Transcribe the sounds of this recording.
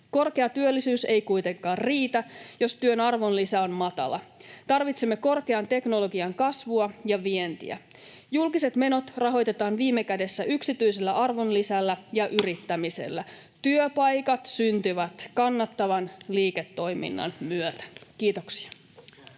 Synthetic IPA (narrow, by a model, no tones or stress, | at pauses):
ko̞rkeɑt̪yølːisyːsejkujt̪e̞ŋkɑːrriːt̪æjo̞st̪yønɑrʋo̞nlisæo̞nmɑt̪ɑ̰lɑ̰t̪ɑrʋit̪semːe̞ko̞rke̞ɑnt̪e̞kno̞lo̞ɡiɑŋkɑsʋuɑjɑʋie̞nt̪ḭæ̰ | julkise̞t̪me̞no̞t̪rɑɦo̞jt̪e̞t̪ɑːnʋiːmːe̞kæde̞sːæʔyksit̪yjse̞lːæʔɑrʋo̞nlisælːæjɑʔyɾit̪ːæmise̞̰lːæ | t̪yøpɑjkɑt̪synt̪yʋæt̪kɑnːɑt̪ːɑʋɑnliːke̞t̪ːo̞jmḭnːɑ̰nmyøt̪æ̥kiːt̪o̞ksi̥ɑ̥